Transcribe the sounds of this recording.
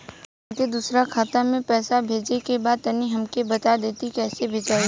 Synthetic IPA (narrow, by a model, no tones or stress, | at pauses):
t̪ed̪uːsɾakʰaːt̪amẽpɛːsabʱeːd͡ʒekebaːd̪̚t̪ɐniɦɐmkebɐt̪ad̪eːt̪ikɛːsebʱeːd͡ʒaːi